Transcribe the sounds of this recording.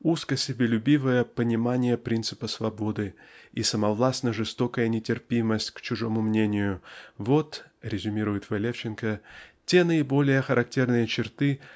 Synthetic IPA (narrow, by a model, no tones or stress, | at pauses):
uskəsʲɪbʲɪlʲʊbʲivəjəpənʲɪmanʲɪjəpɾʲint̪sɨpəsvɐbo̞d̪ɨisəmɐvlˠasnəʐɨst̪o̞kəjənʲɪtʲɪrpʲiməsʲtʲkt͡ɕʊʐo̞mʊmnʲenʲɪjʊvo̞t̪ɾʲɪzʲʊmʲiɾʊjɪt̪vɐlʲeft͡ɕɪnkətʲe̞nəɪbo̞lʲɪjəxəɾʔɐk̚tʲe̞rnɨjət͡ɕɪrt̪ɨ